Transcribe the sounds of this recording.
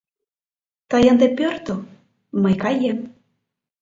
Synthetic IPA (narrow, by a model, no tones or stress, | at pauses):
t̪əjənd̪epʲørt̪o | məjkɑjem